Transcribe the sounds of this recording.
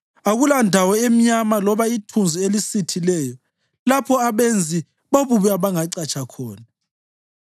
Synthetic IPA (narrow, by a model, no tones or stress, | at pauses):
aɣulandʱawɔem̩ɲamalɔβaitʰund͡zʱielisitʰilɛːjɔ | lapʰɔaβend͡zʱi | βoβuβɛaβaŋaǀat͡ʃʰʼakʰɔːna